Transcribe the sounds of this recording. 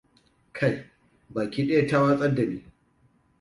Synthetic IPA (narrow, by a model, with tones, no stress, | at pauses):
kʰa˦˨j | baː˨kʲiː˦ɗɐ˦ja˨ta˦wa˦sʼɐ˦da˨miː˦